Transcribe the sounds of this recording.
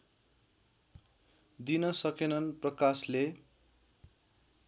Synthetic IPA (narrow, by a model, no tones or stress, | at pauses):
d̪inʌsʌkenʌnprʌkasle